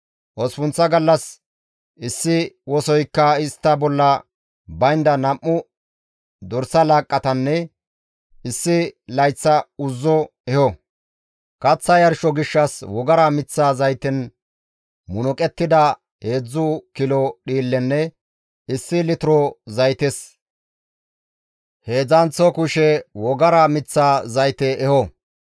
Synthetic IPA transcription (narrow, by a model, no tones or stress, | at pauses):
ʔɔspʊnt͡sːɐɡɐlːɐs | ʔɪsːɪwɔsɔjkːɐɪst̪ːɐbɔlːɐ | bɐjnd̪ɐnɐmːʊ | d̪ɔɾsɐlaːkʼːɐt̪ɐnːɛ | ɪsːɪlɐjt͡sːɐʊzːɔ | ɛhɔ | kɐt͡sːɐjɐɾʃɔɡɪʃːɐswɔɡɐɾamɪt͡sːaːzɐjt̪ɛn | mʊnɔkʼɛt̪ːɪd̪ɐ | he̞ːd͡zːʊkɪlɔɗiːlːɛnːɛ | ɪsːɪlɪt̪ʊɾɔzɐjt̪ɛs | he̞ːd͡zɐnt͡sːɔkʊʃɛwɔɡɐɾamɪt͡sːaːzɐjt̪ɛʔɛhɔ